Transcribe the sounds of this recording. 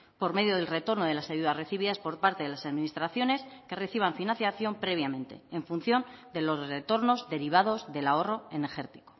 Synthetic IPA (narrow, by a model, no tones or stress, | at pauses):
po̞ɾme̞ðjoð̞elre̞t̪o̞ɾnoð̞e̞lasajuðasre̞θiβiðaspo̞ɾpaɾt̪eðelasaðminist̪ɾaθjo̞ne̞ske̞re̞θiβ̞aɱfinãnθjaθjo̞mpɾe̞βjamẽ̞nt̪e̞̰eɱfun̟θjo̞nd̪e̞lo̞zre̞t̪o̞ɾno̞zðe̞ɾiβ̞að̞o̞zðe̞lao̞ro̞e̞nexe̞ɾt̪i̥ko̥